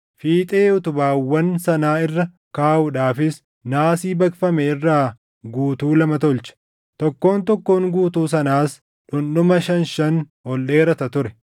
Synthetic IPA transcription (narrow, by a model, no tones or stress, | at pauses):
fiːt̪ʼeːʊt̪ʊbaːwːɐnsɐnaːɪrːɐ | kaːʔʊᶑaːfɪs | naːsiːbɐɡfɐmɛɪrːaː | ɡuːt̪uːlɐmɐt̪ɔlt͡ʃɐ̥ | t̪ɔkːo̞ːnt̪ɔkːo̞ːŋɡuːt̪uːs̬ɐnaːs | ᶑʊnɗʊmɐʃɐnʃɐn | ɔlɗe̞ːɾɐt̪ɐt̪ʊɾɛ